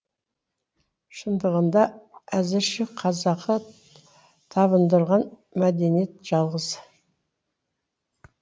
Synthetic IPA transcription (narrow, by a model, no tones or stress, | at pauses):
ʃənd̪əʁənd̪ɑæzɪɾʃɪqʰɑzɑqə | t̪ʰɑβənd̪əɾʁɑn | mæd̪e̞nije̞t̪ʒ̥ɑlˠʁəz